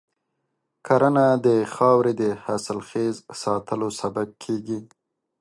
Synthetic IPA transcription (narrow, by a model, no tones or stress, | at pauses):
kʰaɾanad̪əxɑwɾed̪əhasəlxezsɑt̪ʰəlosabab̚kʰeɡi